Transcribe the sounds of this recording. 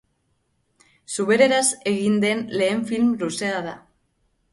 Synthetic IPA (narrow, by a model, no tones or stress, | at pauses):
suβe̞ɾe̞ɾase̞ɣind̪e̞nle̞ːɱfilmluseaða